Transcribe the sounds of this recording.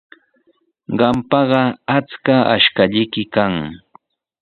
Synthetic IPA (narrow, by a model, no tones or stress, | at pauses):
ɢɑmpɑɢɑat͡skaa̰ʃkaʎɪjkɪkaŋ